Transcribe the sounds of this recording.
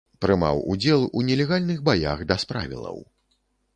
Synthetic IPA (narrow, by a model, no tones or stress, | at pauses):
pɾɨma̰wṵd͡zʲɛlˠunʲɛlʲɛɣalʲnɨɣbaja̰ɣd̪ɐspɾa̰vʲḭlˠɐ̰w